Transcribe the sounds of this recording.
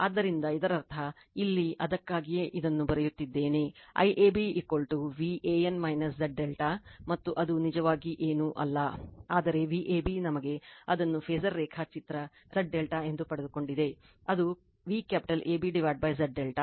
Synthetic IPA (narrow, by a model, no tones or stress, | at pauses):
aːd̪ːɐɾind̪ɐid̪ɐɾɐɾt̪ʰɐ | ilːiɐd̪ɐkːaːɡijeːʔid̪ɐnːubɐɾejut̪ːid̪ːe̞ːne̞ɐ̰jʔeːbiikolʈuʋiʔeːjɐnmɐjnɐsɖɐɖːelʈaːmɐt̪ːuʔɐd̪unid͡ʒɐʋaːɡiʔeːnuʔɐ̰lːɐaːd̪ɐɾe̞ʋiːʔeːbinɐmɐɡe̞ɐd̪ɐnːupʰeːzɐɾːɛːkʰɐt͡ʃit̪ɾɐ | zɐɖːelʈae̞nd̪upɐɽed̪uko̞ɳɖid̪e̞ | ɐd̪u | ʋiːkjaːpi̥ʈɐlʔeːbiɖiʋaːʈ̚bɐjzɐɖːelʈa